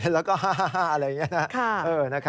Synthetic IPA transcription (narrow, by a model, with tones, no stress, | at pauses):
lɛː˦˥wkɔː˥˩ɦaː˥˩ɦaː˥˩ɦaː˥˩ʔɐ˧ɾa˥˧ja˨˩ŋːi˦˥ɐ˧nʰa˦˥kʰa˩˥˩ʔɤː˧˩na˦˥kʰa˦